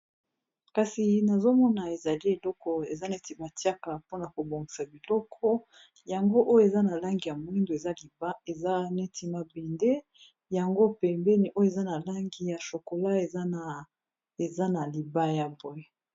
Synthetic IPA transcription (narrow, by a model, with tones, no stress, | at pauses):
ka˨si˨na˨zo˦mɔ˦na˨e˨za˨li˦e˨lɔ˦kɔ˨e˨za˦nɛ˦ti˨˦ba˨ti˦a˦ka˨po˦na˨ko˨bo˨ŋɡi˨sa˨bi˨lɔ˦kʰɔ˦ | ja˨ŋɡo˦ʔo˦jo˦e˨za˦na˨la˦ŋɡi˨ja˨mo˨i˦ndo˨e˨za˦li˨ba˦e˨za˦nɛ˦ti˦ma˨bɛ˨nde˦ | ja˨ŋɡo˦pɛ˨mbɛ˦ni˨ʔo˦jo˦e˨za˦na˨la˦ŋɡi˨ja˨ʃo˨ko˨la˦e˨za˦n˨ | e˨za˦na˨li˨ba˦ja˨bo˨e˨